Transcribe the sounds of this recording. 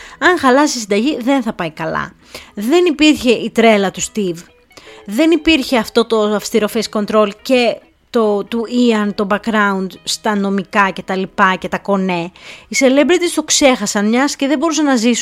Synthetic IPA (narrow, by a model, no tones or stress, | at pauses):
ɐŋxɐlɐsisind̪ɐʝiðe̞nθɐpɐikɐlɐ̰ | ðe̞nipiɾçe̞ʔit̪ɾe̞lɐt̪ust̪iv | ðe̞nipiɾçe̞ɐft̪o̞t̪o̞ɐfst̪iɾo̞fesko̞nt̪ɾo̞lce̞ | t̪ot̪uiɐnt̪o̞bɐkɾɐund̪st̪ɐno̞mikɐce̞t̪ɐlipɐce̞t̪ɐko̞ne̞ise̞le̞bɾit̪ist̪o̞kse̞xɐsɐnmɲɐsceðebo̞ɾusɐnɐzisu